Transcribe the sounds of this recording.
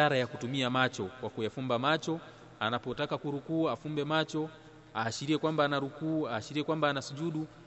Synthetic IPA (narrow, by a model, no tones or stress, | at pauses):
aɾajakutumiamat͡ʃokwakujafumbamat͡ʃɔ | anapotakakuɾukuːafumbɛmat͡ʃo | aːʃiɾiɛkwambaːnaɾukuːaːʃiɾiɛkwambaːnasud͡ʒuɗu